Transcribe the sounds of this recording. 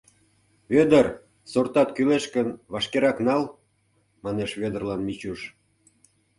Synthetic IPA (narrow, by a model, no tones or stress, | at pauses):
βød̪ər | sort̪ɑt̪kyleʃkənβɑʃkeɾɑknɑl | mɑneʃβød̪ə̆rlɑnmit͡ɕuʃ